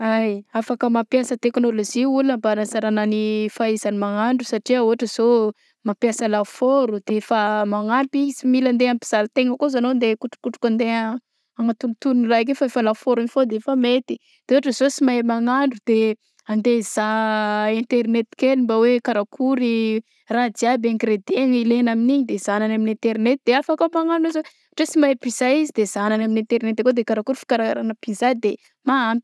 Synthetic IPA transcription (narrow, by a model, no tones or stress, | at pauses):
ajafakəmapjasət̪eknoloʒiulnəmbanazaɾananifaizanimaŋaɳɖ͡ʐusaʈ͡ʂiəuɦaʈ͡ʂəz̥o | mapjasəlafoɾud̪̥efamaŋapizimiland̪eampi̥z̥aɾt̪eŋəkozanond̪ekuʈ͡ʂu̥kuʈ͡ʂu̥kand̪e | aŋat̪unt̪unirak̬efaefalafoɾinifod̪eefamet̪i | d̪̥eoɦaʈ͡ʂəzosimamaŋaɳɖ͡ʐud̪̥e | and̪ez̥aẽnt̪eɾinet̪i̥kenimbawekaɾakʰuɾi | rad͡z̪iabãŋkɾed̪eŋilenaminiɲid̪ezananaminẽnt̪eɾnet̪̚d̪eafakomaŋaɳɖ͡ʐuizwe | aʈ͡ʂesimaepiz̥aizid̪ez̥ananaminent̪eɾnet̪d̪ekod̪ekaɾakuɾifi̥kaɾaa̰ɾanapizad̪e | maan